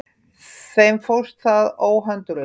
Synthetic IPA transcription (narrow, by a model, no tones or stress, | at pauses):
sɛmfowst̪θaðoːwɦœnt̪ʏɾ